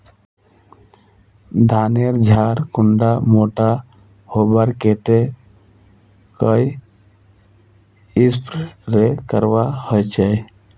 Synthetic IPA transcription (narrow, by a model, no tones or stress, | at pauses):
d̪ʱaːneɾd͡ʒʱaːɾkʊɳɖamoːʈa | hoːbəɾket̪e | kəi | ɪspɾɾekəɾʋahɔjt͡ʃae